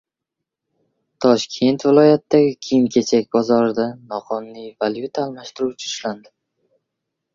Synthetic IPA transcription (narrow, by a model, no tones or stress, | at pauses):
t̪ʰɒʃkʲʰe̞nt̪vɪlˠɒjat̪d̪aɡʲɪkʲʰijɪmkʲʰe̞t͡ʃʰakʲbɒzɒɾɪd̪anɒqʰɒnːijvaljut̪ʰaːlˠmaʃt̪ɪɾut͡ʃʰɪʊʃland̪ɪ